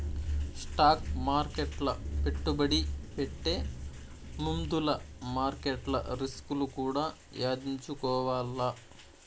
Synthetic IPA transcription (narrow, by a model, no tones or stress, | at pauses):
sʈaːkmaːɾkeʈlɐpeʈːubɐɽipeʈːe̞ː | mumd̪ulɐmaːɾkeʈlɐ̰ɾiskulukuːɽaː | jaːd̪iɲt͡ʃukɔːʋaːlːɐ